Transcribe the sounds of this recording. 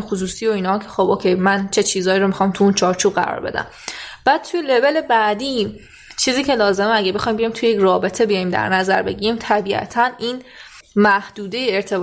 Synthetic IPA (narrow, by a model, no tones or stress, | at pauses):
xos̬uːsiːo̞iːnɒkʰexo̞bʔokʲʰe̞jmænt͡ʃʰe̞t͡ʃʰiːzɒːiɾomixɒːmt̪ʰuunt͡ʃʰɒːɾt͡ʃʰuːbɢæ̰ɾɒ̰ːɾbe̞̰d̪æ̰m | b̥æːd̥̪̚t̪ʰujelebe̞le̞bæd̪iː | t͡ʃʰiːziːcʰelɒːze̞meæɡæbexɒːjmbijɒjmt̪ʰujejecrɒːbe̞t̪ʰebijɒjimd̪æ̰ɾnæzæɾbe̞̰ɟiːɾiːmt̪ʰæbiʔæ̰t̪ʰæniːn | mæhd̪̥uːd̪e̞jeːɾt̪ʰe̞b